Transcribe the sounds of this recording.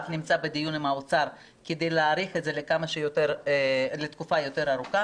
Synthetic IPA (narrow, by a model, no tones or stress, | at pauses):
vnimt͡sabed̪ijunimaot͡saʁ | ked̪ejleaːʁiχedze̞lekamaʃejoteɾle̞t̪kufajo̞t̪e̞ɾaʁuka